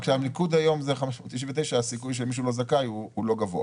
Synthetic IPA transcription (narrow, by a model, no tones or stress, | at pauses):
kʃeamnikud̪ajo̞mzeχameʃmot̪ːiʃinvet̪ejʃaasikujʃ̬elmiʃ̬ulo̞zakajuulo̞ɡavo̰a̰